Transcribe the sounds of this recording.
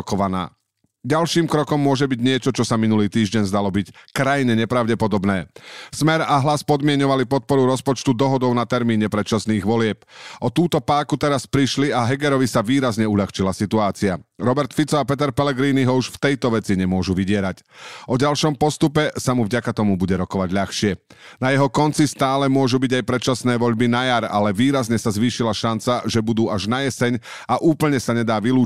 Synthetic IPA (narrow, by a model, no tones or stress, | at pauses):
kɔʋana̰ː | ɟalʃiːmkɾɔkɔmːʊɔʒɛbiɟɲɪɛt͡ʃɔt͡ʃɔsaminuliːt̪iːʒɟɛɲzd̪alɔbickɾajɲɛɲɛpɾaʊɟɛpɔd̪ɔbnɛːsmɛɾaɦlaspɔd̪mɪɛɲɔʋalipɔt̪̚pɔɾuɾɔspɔt͡ʃt̪ud̪ɔɦɔd̪ɔʊnat̪ɛɾmiːɲɛpɾɛt͡ʃasniːɣʋɔlɪɛp̚ʔɔt̪uːt̪ɔpaːkut̪ɛɾaspɾiʃliaɦɛɡɛɾɔʋisaʋiːɾazɲɛuʎaxt͡ʃilasit̪uaːt͡siaɾɔbɛɾt̪fit͡sɔapɛt̪ɛɾpɛlɛɡɾiːniɦɔuʃft̪ɛjt̪ɔʋɛt͡siɲɛmʊɔʒuʋiɟɪɛɾacʔɔɟalʃɔmpɔst̪upɛsamuvɟakat̪ɔmubuɟɛɾɔkɔʋaɟʎaxʃɪɛ | najɛɦɔkɔnt͡sist̪aːlɛmʊɔʒubiɟajpɾɛt̪t͡ʃasnɛːʋɔʎbinajaɾa̰lɛʋiːɾazɲɛsazʋiːʃilaʃant͡saʒɛbud̪uːaʒnajɛsɛɲ | aʔuːpl̩ɲɛsaɲɛd̪aːʋiluː